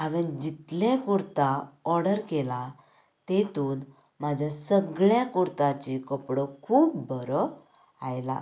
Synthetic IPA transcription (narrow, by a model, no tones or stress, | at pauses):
aʋənd͡ʑit̪ljakuɾt̪aɔɾɽəɾkela | t̪et̪uːn | mad͡ʑʱjasəɡɭjakuɾt̪at͡ɕikəpɽɔkʰuːpbəɾɔ | ajla̰